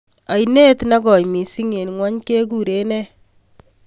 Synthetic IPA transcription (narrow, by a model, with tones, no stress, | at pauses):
a˨jne˦tna˦ɡɔ˨jmi˨si˦ŋe˨nŋwa˦ɲke˦ɡu˦˨ɾe˦nɛ˦